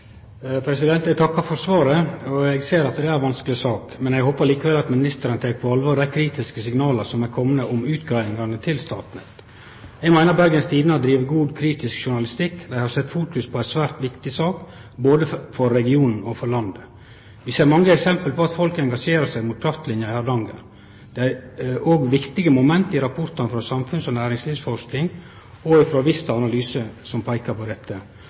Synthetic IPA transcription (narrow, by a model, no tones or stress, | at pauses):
pʰɾɛsɪd̪ɛnt̪ɛɡ̚t̪ʰɑkːɑfɔɾsʋɑːɾəɔɛɡseːɾɑt̪d̪ɛæɾʋɑnsklɪsɑːkmɛnɛɡhoːpəɾliːkəʋɛlɑt̪mɪnɪst̪əɾənt̪ʰɛːk̚pʰɔɑlʋoːɾd̪æɪkʰɾiːt̪ɪskəsɪŋnɑːləsɔmæɾkʰɔmənəɔmʉːt̪ɡɾɑɪŋɑnət̪ʰɪlst̪ɑ̰ːt̪n̩ɛt̪ | ɛɡmæɪnəɾbæɾɡənst̪ʰiːd̪nəɑd̪ɾiːʋəɡuːd̪kʰɾiːt̪ɪskʃʊɳɑlɪst̪ɪkːd̪æɪhɑɾsɛt̪ːfuːkʉspʰɔæɪsʋæːɾt̪ʋɪkt̪ɪsɑːk | boːd̪əfɔɾːɛɡɪuːnn̩ɔfɔɾlɑnd̪ə | ʋɪseːɾmɑŋːəɛksɛmpəlpɔɑt̪fɔlkɛŋɡɑʂeːɾəsæɪmut̪kʰɾɑft̪lɪnjɑɪhɑːd̪ɑŋɡə̰n | d̪̥ɛæɾoːɡʋɪkt̪ɪɡəmʊmɛnt̪ɪɾɑpʰʊɾt̪ɑnfɾoːsɑmfʉnsɔnæːɾɪŋsliːʋsfɔʂknɪŋ | ɔɪfɾoːʋɪst̪ɑɑnɑlyːsəsɔmpʰæɪkɑpɔd̪ɛt̪ʰːə